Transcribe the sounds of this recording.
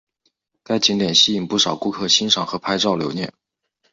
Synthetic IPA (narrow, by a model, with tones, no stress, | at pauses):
ka˥˩ɪt͡ɕi˧˥ŋt̪jɛ˨˩nɕi˥i˨˩ŋpu˥˩ʂɑ˨˩ʊku˥kʰɤ˥˩ɕi˥nʂɑ˨˩ŋxɤ˧˥pʰa˥ɪʈ͡ʂɑ˥˩ʊljo˧˥ʊnjɛ̰˥˩n